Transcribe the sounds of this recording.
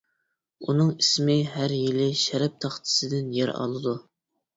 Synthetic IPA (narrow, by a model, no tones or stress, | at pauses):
unɨŋismɪɦæɾjilɪʃæɾɛp̚t̪ʰɑχt̪ʰɨ̥sɨd̪ɪnjɛɾɑ̰lˠɨd̪u